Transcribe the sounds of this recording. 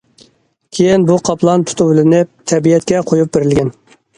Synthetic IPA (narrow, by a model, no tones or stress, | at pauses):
kʲʰejinbuqʰɑpʰlˠɑnt̪ʰu̥t̪ʰublɪɪnɪp̚t̪ʰɛbijɛt̪̚kʲɛqʰojup̚beɾɪlɡʲɛn